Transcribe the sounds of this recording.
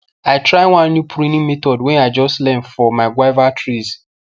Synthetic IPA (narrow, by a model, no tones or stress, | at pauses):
aɪtɹaɪwãnːjupʰɾĩnĩmetɔdwɛ̃naɪd͡ʒɔstlɛ̃nfɔmaɪɡwaɪvatʰɹiz